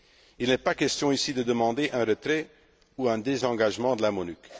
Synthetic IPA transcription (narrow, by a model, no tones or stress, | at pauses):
ilnɛpakʲɛst̪jɔ̃isid̪əd̪əmɑ̃d̪eʔɛ̃ʁət̪χɛ | uɛ̃d̪ezɑ̃ɡaʒmɑ̃d̪əlamɔnyk